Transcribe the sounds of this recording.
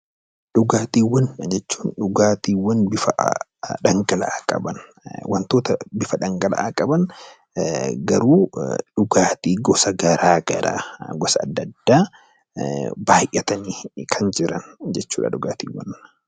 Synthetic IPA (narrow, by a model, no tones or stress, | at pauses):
ᶑʊɡaːt̪iːwːɐnd͡ʒɛt͡ʃːu̥ːnᶑʊɡaːt̪iːwɐnbɪfɐᶑɐŋɡɐlɐ̰ʔaːkʼɐ̰bɐn | wɐnt̪oːt̪ɐbɪfɐᶑɐŋɡɐlɐ̰ʔaːkʼɐbɐn | ɡɐɾuːᶑʊɡaːt̪iːɡɔsɐɡɐɾaːɡɐɾʔa̰ːɡɔsɐ̰ːd̪ːɐd̪ːaː | baːjʔːɐt̪ɐniːkʰɐnd͡ʒɪɾɐ̰nd͡ʒɛt͡ʃːuːᶑɐ̰ᶑʊɡaːt̪ḭːwːɐ̰n